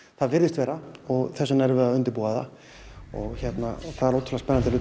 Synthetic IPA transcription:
θaðvɪɾðɪst̪vɛːɾaɔɣθɛsːʏnɛɾvɛðaʏnt̪ɪɾpuːaða̰ | ɔ̰ɣçɛt̪na̰θaðɛɾloːwt̪ʰlaspɛnːant̪ɪlʏː

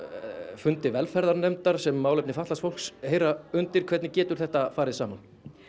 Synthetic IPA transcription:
fʏnt̪ɪvɛlfɛɾðaɾnɛmt̪aɾ̥sɛmːaːwlep̚nɪfaht̪last̪fowl̥ksheːjɾaʏnt̪ɪɾ̥kʰvɛɾt̪nɪcɛːt̪ʏɾ̥θɛht̪afaːɾɪðsaːman

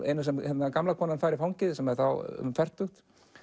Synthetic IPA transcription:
ɛ̰jnasɛmhɛt̪nakamlakʰɔːnanfaːɾɪfawɲcɪðsɛmɛθaw̰fɛr̥t̪uxt̪

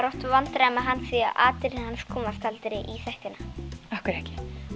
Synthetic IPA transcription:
ɾɔwht̪vant̪ɾamaɦanːsviaʔa̰ːt̪ɪɾɪhanskʰɔːmast̪ʰalt̪ɪɾɪʔiθɛht̪ɪnaahkʏɾt̪ɛhcɪ̥

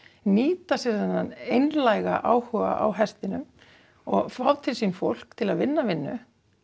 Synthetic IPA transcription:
niːt̪asɛɾðanːanejnlajɣa̰ʔaːwhœɣa̰ʔa̰wɦɛst̪ɪnʏm | ɔɣfawðt̪ʰɪlsimfowl̥kt̪ʰɪlaðvɪnːavɪnːʏ̰

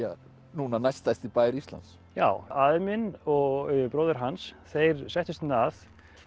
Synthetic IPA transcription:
a | nuːnanajst̪ajst̪ipaːjɾist̪la̰nt̪s | ja̰ːwaðmɪnɔɣɣpɾowðɛɾ̥ɦansθejɾsɛjht̪ʏst̪ʏnaθ

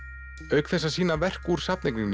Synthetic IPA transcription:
œɥkθɛsːasiːnavɛr̥kuɾ̥sapnejkniŋn

